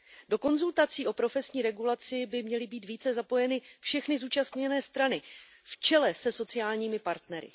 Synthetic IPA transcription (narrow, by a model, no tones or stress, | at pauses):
do̞ko̞nzult̪at͡siːʔo̞pɾo̞fɛsɲiːɾɛɡulat͡sɪbɪmɲɛlɪbiːt̪viːt͡sɛzapo̞jɛnɪfʃɛxnɪzuːt͡ʃast̪ɲɛnɛːst̪ɾanɪ | ft͡ʃɛlɛsɛso̞t͡sɪjaːlɲiːmɪpaɾt̪nɛɾɪ̰